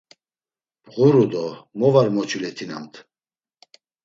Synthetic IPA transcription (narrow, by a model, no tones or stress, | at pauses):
bʁuɾud̪ɔmɔvaɾmɔt͡ʃʰilɛt̪ʰina̰mt̪ʰ